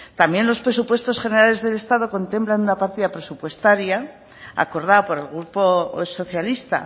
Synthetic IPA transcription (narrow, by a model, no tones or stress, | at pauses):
t̪ambje̞nlo̞spɾe̞supwe̞st̪o̞sχe̞ne̞ɾale̞zðe̞le̞st̪aðo̞ko̞nt̪e̞mplanunapaɾt̪iðapɾe̞supwe̞st̪aɾja | a̰ko̞ɾð̞apo̞ɾe̞lɣɾupo̞so̞θjalist̪a̰